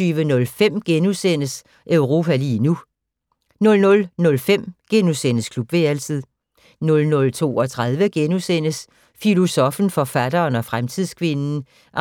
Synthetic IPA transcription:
yːʋənɔ̽lfem̰ɡ̥enusen̰əs | ʔœʊʁo̝ːpʰæliːnu | nɔ̽lnɔ̽lnɔ̽lfem̰ɡ̥enusenəskʰlub̥ʋe̝æl̰t͡sʰið̰ˠ | nɔ̽lnɔ̽lt͡sʰo̝̰ːɒ̽t͡sʰʁað̞ˠʋəɡ̥enusen̰əs | filo̝sɒ̽fn̩fɒ̽fæd̥ɐːnɒ̽fʁamt͡sʰið̰ˠskʰʋe̝nn̩ | ʔ

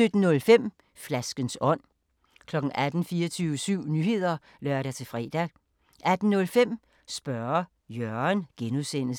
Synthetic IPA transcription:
sød̥n̩ːɔ̽lfem̰ | flæsɡ̥ənsɒ̽n̰ | kʰlɒ̽ɡ̥n̩ʔæd̥n̩fiːɐt͡sʰyʊəsyʊ̰nyhe̝ð̞̰ˠɐ | lɶɐɾ̥æt͡sʰe̝fʁɛ̰ːd̥æ | ʔæd̥n̩nɔ̽lfem̰ | sb̥ɶɐ | jœɐnɡ̥enuðˠsen̰

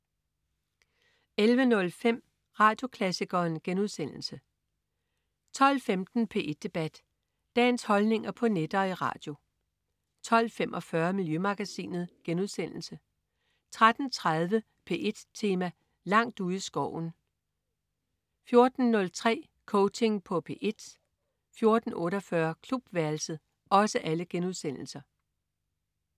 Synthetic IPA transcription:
elʋənɔ̽lfem̰ | ʁɑ̈ːd̥jo̝kʰlæsiɡ̥ɐːnɡ̥enuðˠsen̰l̩sə | t͡sʰɒ̽l̰femd̥n̩pʰe̝̰ːʔed̥̚e̝b̥æd̥ː | ɛ̰ːnshɒ̽lne̝ŋɐpʰɒ̽ned̥ɐːiʁɑ̰̈ːd̥jo̝ | t͡sʰɒ̽l̰fem̰ʔɒ̽fɶɐmiljømɑ̈ɡ̥æsḭːnð̩ˠɡ̥enuðˠsen̰l̩sə | t͡sʰʁad̥n̩t͡sʰʁað̞ˠʋə | pʰe̝ːʔe̝d̥t͡sʰe̝ːmæ | lɑ̈ŋ̰d̥uð̩̰ˠisɡ̥ɒ̰ʊ̰n̩ | fjo̝ɐd̥n̩ːɔ̽lt͡sʰʁɛ̰ː | kʰɔʊt͡sʰe̝ŋpʰɒ̽pʰe̝̰ːʔe̝d̥ | fjo̝ɐd̥n̩ɔ̽ːɾɒfɶɐkʰlub̥ʋæɐl̩səð̩ˠ | ɒ̽səʔæləɡ̥enuðˠsen̰l̩sɐ

